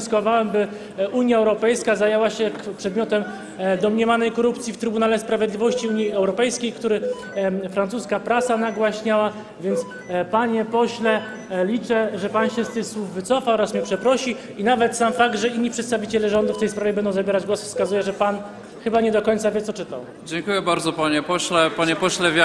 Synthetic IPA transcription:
skwavawɛmbɘ | ʔuɲjaɛwɾɔpɛjskazajewaɕɛpʂɛd̪̚mʲjɔt̪ɛm | d̪ɔmɲɛvanɛjkɔɾupt̪sʲift̪ɾɘbunalɛspɾavʲjɛd̪lʲivɔɕt͡ɕiuɲiɛwɾɔpɛjskʲejkt̪uɾɘ | fɾant̪suskapɾasanaɡwaɕɲawa | vʲjɛnt̪s | paɲɛpɔɕlɛ | lʲit͡ʂɛʐɛpanɕɛst̪ɘxswuvːɘt̪sɔfaɔɾasmʲiɛpʂɛpɾɔɕi | inavɛt̪samfaɡ̚d̪ʐɛiɲːipʂɛt̪st̪avʲit͡ɕɛlɛʐɔnd̪uft̪ɛjspɾavʲjɛbɛnd̪ɔ̃wzabʲjɛɾad͡ʑɡwɔsfskazujɛʐɛpan | xɘbaɲɛd̪ɔkɔɲt̪savʲjɛt̪sɔt͡ʂɘt̪aw | d͡ʑɛŋkujɛbaɾd̪zɔpaɲɛpɔɕlɛpaɲɛpɔɕlɛvʲj

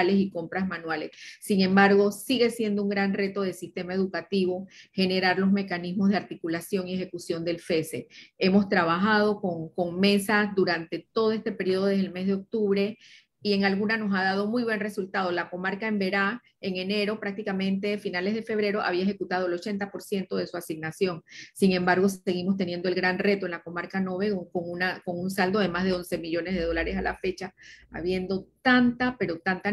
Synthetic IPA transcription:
lesiko̞mpɾasmanwalesːiŋẽ̞mbaɾɣo̞siɣe̞sje̞nd̪ouŋɡɾanre̞t̪o̞ðe̞lsist̪e̞mae̞ðukat̪iβo̞xe̞ne̞ɾaɾlo̞zme̞kanismozðeaɾt̪ikulasjo̞ŋie̞xe̞kusjo̞nd̪e̞lfe̞see̞mo̞st̪ɾaβaxað̞o̞ko̞ŋko̞ŋme̞sasðuɾant̪e̞t̪o̞ðo̞e̞st̪e̞pe̞ɾio̞ðoðeðelme̞zðeo̞k̚t̪uβɾe̞ | ie̞ŋalɣunano̞saðað̞omujβwe̞nre̞sult̪að̞o̞lako̞maɾkae̞mbe̞ɾa | eŋene̞ɾo̞pɾak̚t̪ikamẽ̞nt̪e̞finalezðe̞fe̞βɾe̞ɾo̞ʔa̰β̞iaexe̞kut̪að̞oelo̞t͡ʃe̞nt̪apo̞ɾsje̞nt̪o̞ðe̞suasiɡnasjo̞ŋsiŋẽ̞mbaɾɣo̞se̞ɣimo̞st̪e̞nje̞nd̪oelɡɾanre̞t̪oenlako̞maɾkano̞βe̞koŋunako̞ŋuns̬ald̪o̞ðe̞mazðe̞o̞nse̞miʝo̞nezð̞e̞ð̞o̞laɾe̞sala̰fe̞t͡ʃa̰ːβje̞nd̪o̞t̪ant̪ape̞ɾo̞t̪ant̪a

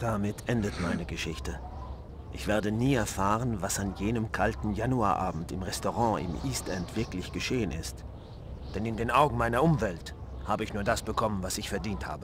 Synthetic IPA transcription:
d̥amɪtʰʔɛndətmaɪnəɡəʃɪçtə | ʔɪçv̥eːɐdəniːɛɐfaːʁ̞ənvasanjeːnəmkʰaltn̩januaːɐʔaːbm̩tɪmʁɛstoʁɑ̃ɪ̰mʔiːstʔɛntv̥ɪɐklɪçɡ̥əʃeːənɪ̰st | d̥ɛnɪndeːnʔaʊɡŋ̩maɪnɐʔʊmvɛlt | haːbəɪçnuːɐdasb̥əkʰɔmənvasɪçfɛɐdiːntha̰ːbə

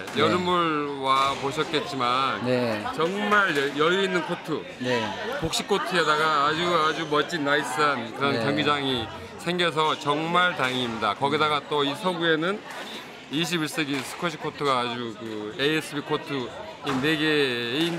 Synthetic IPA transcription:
jʌɾɯmuɭwapoɕʰʌt̚k͈e̞t̚t͡ɕ͈imannt͡ɕʌŋmaɭjʌjuinːɯnkʰotʰɯ | nkok̚ɕ͈ikʰːotʰɯedaɡaːd͡ʑuad͡ʑumʌt͡ɕ͈inais͈ankɯɾʌnkjʌŋɡud͡ʑaŋi | sʰe̞ŋɡjʌs̬ʰʌt͡ɕʌŋmaɭtaeŋimɲidakʌɡidaɡat͈oisʰʌɡue̞nɯn | iɕ̬ʰibiɭs͈eɡisʰɯ̥kʰʌɕʰi̥kʰotʰɯɡaːd͡ʑukɯees͈ʰɯbikʰotʰɯ | ine̞ɡe̞in

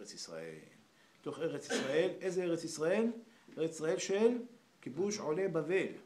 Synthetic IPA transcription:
et͡sisʁa̰ʔḛl | t̪o̞χeʁet͡sisʁaelezeeʁet͡sisʁae̞leʁet͡si̥sʁae̞lʃel | kibuʃʕolebave̞l

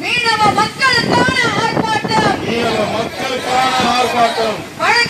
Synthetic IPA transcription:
niːnɐmɐmɐkːɐɭɯkːaːnɐmaːɾpaːʈːaːmniːnɐmɐmɐkːɐɭɯkːaːnɐɦaːɾpaːʈːaːmpɐɻɐ

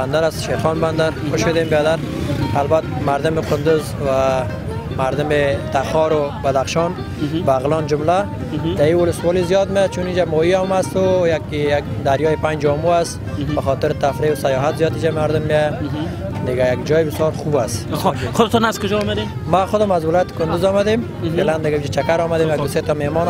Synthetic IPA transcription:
band̪aɾast̪ʃeɾxɔnband̪aɾxʊʃʊd̪embed̪aɾalbat̪maɾd̪ʊmɪqʊnd̪ʊz | wa | maɾd̪ʊmɪt̪axɔɾʊbad̪axʃɔn | baɣlɔnd͡ʒʊmla | d̪aiwʊlʊswɔlizijɔt̪mejat͡ʃunid͡ʒamɔjiamast̪ʊjakjak̚d̪aɾjɔjepand͡ʒɔmuasbaxɔt̪ɪɾt̪afɾeʊsajɔɦat̪zijɔt̪id͡ʒamaɾd̪ʊmːjeja | d̪ɪɡajaɡd͡ʒɔjɪbɪsjɔɾxubasxʊd̪ɪt̪ɔnazkʊd͡ʒɔːmad̪e | maxʊd̪ɪmazwɪlɔjat̪ɪ̥kʊnd̪ʊzɔmad̪em | feland̪ɪɡaid͡ʒat͡ʃakaɾɔmad̪emjaɡd̪ʊset̪ɔmemɔn

